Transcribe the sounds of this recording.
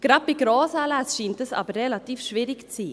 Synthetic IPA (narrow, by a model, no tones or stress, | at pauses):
ɡ̥ɾɑpːiɡɾɔːsalæsʃiːntəsɑ̰ːbəɾːelatiːfʃviɾɪkt͡siː